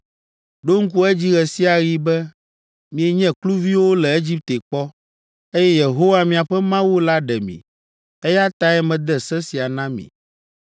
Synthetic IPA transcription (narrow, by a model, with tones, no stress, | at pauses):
ɖo˦ŋ̩˦k̬u˦ɛ˦d͡ʑi˦ɣɛ˨si˦a˨ɣi˦bɛ˦ | mĩ˨ɛ˨ɲɛ̃˦klu˦vi˦wo˦lɛ˨e˦d͡ʑi˦p̚t̪e˨k͡pɔ˦ | e˦jɛ˦je˨ɦo˦wa˦mĩ˨a˨ɸɛ˦mã˦wu˦la˦ɖɛ˨mḭ̃˨ | ɛ˦ja˦t̪a˦ɛ˦mɛ̃˨d̪ɛ˦sɛ˦si˨a˨nã˦mḭ̃˨